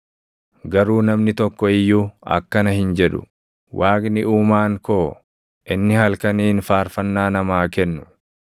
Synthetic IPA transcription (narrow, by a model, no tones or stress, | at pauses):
ɡɐɾuːnɐmnɪt̪ɔkːɔɪjːuːɐ̰kːɐnɐhɪnd͡ʒɛᶑʊ̥̰ | wʔaːknɪuːmaːŋkoː | ʔɪnːɪhɐlkɐniːnfaːɾfɐnːaːnɐmaːkɛnːʊ